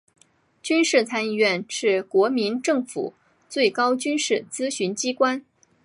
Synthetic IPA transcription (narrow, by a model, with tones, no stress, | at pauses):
t͡ɕy˥nʂɻ̩˥˩t͡sʰa˥ni˥˧ɥɛ˥˧nʂɻ̩˥˩kwɔ˧˥mi˧˥nʈ͡ʂɤ˥˩ŋfṵ˨˩˦ | t͡swe˥˩ɪkɑ˥ʊt͡ɕy˥nʂɻ̩˥˩t͡sɹ̩˥ɕy˧˥nt͡ɕi˥kwa˥n